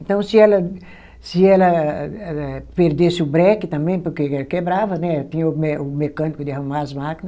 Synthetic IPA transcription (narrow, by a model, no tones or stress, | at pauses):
ẽnt̪ɐ̃w̃sɪɛlɐ | sɪɛlɐ | ɛpeɾd̪esɪʊbɾɛkɪt̪ɐ̃mbẽj̃poɾkeɛkebɾavɐnɛt̪ĩɲɐʊmeʊmekɐ̃nikʊd̪ɪahumaɾɐzmakinɐ